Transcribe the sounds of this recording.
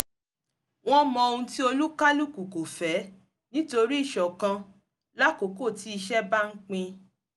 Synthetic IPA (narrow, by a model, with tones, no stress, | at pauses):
w̃ɔ̃˦mɔ̃˧o˧ũ˧ti˦o˧lu˦ka˦lu˦ku˨ko˨fɛ˨˦ | nĩ˦to˧ɾi˦i˦˨ʃɔ˨kã˧ | la˦ko˨ko˦˨ti˨˦i˧ʃɛ˦ba˦ŋ̩˦k͡pĩ˧